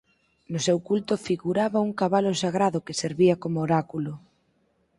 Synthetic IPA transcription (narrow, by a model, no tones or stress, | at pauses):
nʊsewkult̪ʊfiɣuɾaβauŋkaβalʊsaɣɾaðʊkeseɾβiɐkomooɾakulʊ